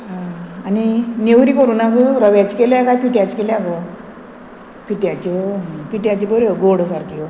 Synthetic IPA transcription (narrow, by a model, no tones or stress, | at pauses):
ɦaaninewɾikɔɾuːnakɯɾɔʋjat͡ɕkelakajpiʈjat͡ɕkelaɡɔ | piʈjat͡ɕɔɦpiʈjat͡ɕipəɾɔɡoɽɔsaɾkiɔ